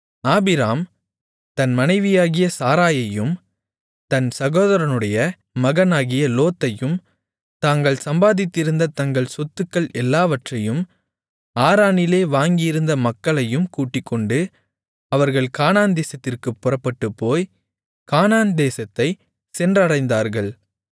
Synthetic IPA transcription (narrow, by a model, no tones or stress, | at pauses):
aːbɪɾaːm | t̪ɐnmɐnɐɪʋɪjaːɣɪjɐsaːɾaːjɐjɯm | t̪ɐnsɐɣoːðɐɾɐnɯɽɐjɐ | mɐɣɐnaːɣɪjɐloːt̪ːɐjɯm | t̪aːŋɡɐɭsɐmbaːðɪt̪ːɪɾɯnd̪ɐt̪ɐŋɡɐɭsɔt̪ːɯkːɐɭɛlːaːʋɐʈrɐjɯm | aːɾaːnɪleːʋaːŋɡɪjɪɾɯnd̪ɐmɐkːɐɭɐjɯmkuːʈːɪkːɔɳɖɯ | ɐʋɐɾɣɐɭkaːnaːnd̪eːsɐt̪ːɪrkɯpːɔrɐpːɐʈːɯpːoːj | kaːnaːnd̪eːsɐt̪ːɐɪ | sɛndrɐɽɐɪnd̪aːɾɣɐɭ